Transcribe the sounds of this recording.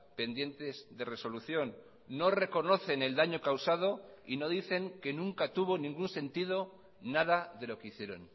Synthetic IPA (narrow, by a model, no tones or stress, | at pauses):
pe̞nd̪je̞nt̪e̞zðe̞re̞so̞luθjo̞nː | o̞re̞ko̞no̞θe̞ne̞ld̪aɲo̞kawsað̞o̞ino̞ðiθe̞ŋke̞nũŋkat̪uβo̞nĩŋɡunsẽ̞nt̪ið̞o̞ | naðaðe̞lo̞keiθje̞ɾo̞̰n